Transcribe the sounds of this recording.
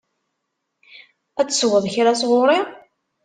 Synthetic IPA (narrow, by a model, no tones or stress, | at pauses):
æt͡sːswəðˤçɾasʁʊɾˤi